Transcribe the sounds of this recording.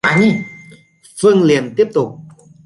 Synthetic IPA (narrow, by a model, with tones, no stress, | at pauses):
aː˨˦ɲi˧˩ | fɨ˧əŋli˨˩ənt̪i˦˥əp̚t̪ʊ˨˩k͡p̚